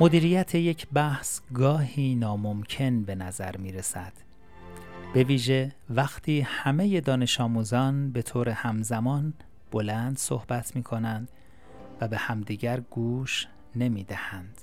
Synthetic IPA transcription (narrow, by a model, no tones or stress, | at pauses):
mod̪iːɾiːjæt̪ʰe̞je̞cʰbæhsɡɒːhiːnɒːmo̞mcʰe̞nbe̞næzæ̰ɾmiːɾe̞sæd̪̥ | b̥e̞viːʒe̞væxt̪ʰiːhæme̞je̞d̪ɒːne̞ʃɒːmuːzɒːnbe̞t̪ʰoːɾe̞hæmzæmɒːn | b̥o̞lænd̪so̰hb̥æt̪ʰmiːkʰo̞nænd̪ | væbe̞hæmd̪iːɟæɾɡ̥uːʃ | ne̞miːd̪æhænd̪̥